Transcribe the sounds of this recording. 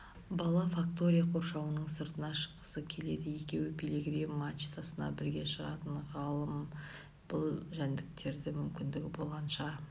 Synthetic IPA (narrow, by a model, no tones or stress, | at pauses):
bɑlˠɑfakt̪o̞ɾʲijaqʰo̞ɾʃɑwənəɴsəɾt̪ənɑʃə̥qːə̥səkʲʰe̞le̞d̪ɪje̞kʲe̞wɪbijleɡɾimat͡ʃt̪ʰasənɑ̰bɪɾɡʲe̞ʃəʁɑ̰t̪əɴʁɑlˠəm | b̥ʊlˠʒænd̪ɪk̚t̪ʰe̞ɾd̪ɪmʏmkʲɪnd̪ɪɡʲɪbo̞lˠʁɑnʃɑ